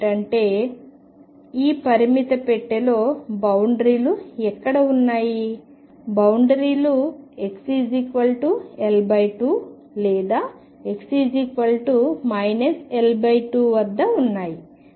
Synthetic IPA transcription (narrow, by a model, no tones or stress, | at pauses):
ʈɐɳʈe̞ː | iːpɐɾimit̪ɐpɛʈːɐlo̞ːbɐwɳɖɾiːluɛkːɐɽɐunːaːji | bɐwɳɖɾiːlue̞ksiːd͡ʒikʋɐlʈuelbɐjʈuː | lɛːd̪aː | eksid͡ʒikʋɐlʈumɐjneselbɐjʈuːʋɐd̪ːɐunːaːji